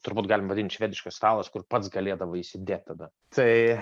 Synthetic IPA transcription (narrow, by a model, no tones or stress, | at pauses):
t̪ʊɾbuːt̪ɡɑːlʲɪmɐʋɐdʲɪnt̪ʃʲʋʲæːd̪ʲɪʃkɐsst̪ɑːlˠɐskʊrpɐt̪sɡɐlʲeːd̪ɐʋɐisʲɪd̪ʲeːt̪̚ʲt̪ɐd̪ɐ | t̪ʰɐɪ